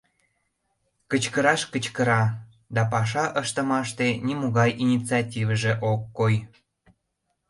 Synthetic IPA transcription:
kət͡ɕkəɾɑʃkət͡ɕkəɾɑ | d̪ɑpɑʃ̬ɑʔəʃt̪ə̆mɑʃt̪enʲimuɣɑjinʲit͡sɑtʲivəʒeʔokːoj

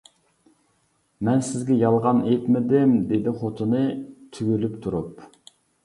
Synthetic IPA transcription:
mɛnsɪzɡʲɛjɑlˠʁɑnet̪mɪd̪ɪmd̪ed̪ɪχot̪ʰɨnɨt̪ʰyɡʲylypt̪ʰuɾup

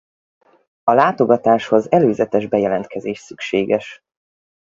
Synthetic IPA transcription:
ɒlaːt̪o̞ɡɒt̪aːʃho̞zɛløːzɛt̪ɛʒbɛjɛlɛnt̪̚kʰɛzeːʃsykʃeːɡɛʃ

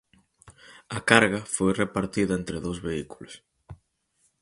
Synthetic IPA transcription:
ɐkaɾɣɐfojrepaɾt̪iðɐent̪ɾeðowzβeiku̥los

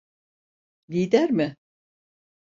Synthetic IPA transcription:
lʲijd̪æɾmɪ

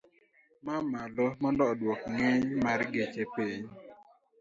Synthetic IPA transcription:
mamalɔmɔndɔdwɔkŋeɲmaɾɡet͡ʃepiɲ

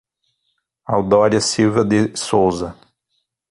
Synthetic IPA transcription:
awd̪ɔɾjɐsiwvɐd̪ɪsowzɐ

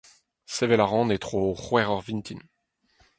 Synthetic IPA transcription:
sevɛlaʁɑ̃ːnet̪χoχwɛʁɔʁvint̪ʰin

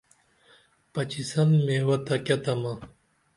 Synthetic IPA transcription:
pɐt͡ɕisɐnmewɐt̪ɐkʲɐt̪ɐma

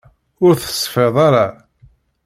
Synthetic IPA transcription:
ʊɾθə̥sˤːfeðˤɑɾˤɑ

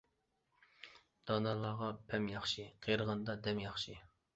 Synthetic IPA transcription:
d̪̥ɑnɑlˠːɑʁɑpʰɛmjɑχʃiqʰeɾəʁɑnd̪ɑd̪ɛmjɑχʃi

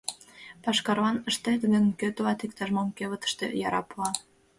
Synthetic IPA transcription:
pɑʃkɑɾβɑnəʃt̪et̪əɣənkøt̪oɑt̪ikt̪ɑʒmomkeβə̆t̪ə̥̆ʃt̪ḛjɑɾɑ̰poɑ

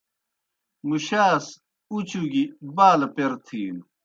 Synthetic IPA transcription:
muɕaːs | ut͡ɕuɡibaːlɐpeɾt̪ʰiːn

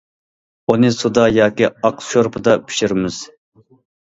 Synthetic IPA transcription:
unɨsud̪ɑjɑːkʲiɑqʃoɾpʰɨd̪ɑpʰi̥ʃiɾmɪz̥

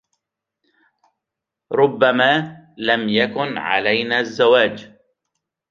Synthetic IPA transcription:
ɾˤʊbːamaːlamjakʊnʕa̰lajnaːzːawaːd͡ʒ

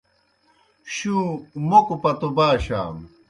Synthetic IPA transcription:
ɕũːmokupɐt̪obaːɕa̰ːm

